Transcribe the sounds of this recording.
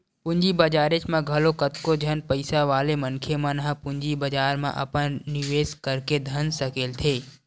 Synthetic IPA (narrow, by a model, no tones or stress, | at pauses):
pʊ̃ɲd͡ʒibəd͡ʒaːɾet͡ʃmãɡʱɐlokət̪kod͡ʒʱɐnpəɪsaʋaːleməŋkʰemãnəɦpʊɲd͡ʒibɐd͡ʒaːɾmã̰ʔɐ̰pənnɪʋeːskəɾked̪ʱɐnsəkeːlt̪ʰeː